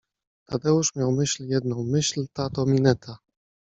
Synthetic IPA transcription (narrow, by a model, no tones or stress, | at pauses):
t̪ʰad̪ɛuʂmʲjawmɘɕljɛd̪̚nɔ̃w̃mɘɕlt̪at̪ɔmʲinɛt̪ʰa